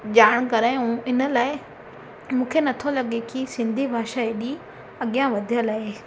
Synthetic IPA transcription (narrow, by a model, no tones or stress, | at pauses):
ʄaːɽ̃kɐɾaɪũɪnə̆laːɪ | mũːkʰenɐt̪ʰolɐɠekisɪ̃nd̪ʱibʱaːʃaːiɗi | ɐɠijãʋɐd̪ʱijəlaːeː